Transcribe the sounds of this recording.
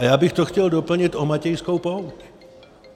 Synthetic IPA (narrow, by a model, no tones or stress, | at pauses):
ajaːbɪxt̪oxcɛldopl̩ɲɪt̪omacɛjskowpowt